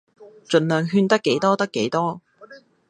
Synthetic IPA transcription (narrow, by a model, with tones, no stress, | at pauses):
t͡ʃɵ˨nlœː˨ŋɦyː˧nt̪ɐ˥kːe˨˥jt̪ɔː˥t̪ɐ˥kːe˨˥jt̪ɔː˥